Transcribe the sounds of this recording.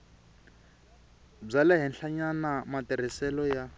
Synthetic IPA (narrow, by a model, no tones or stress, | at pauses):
b͡ʐalɛɦinɬʰaɲanamatɛr̤isɛlɔja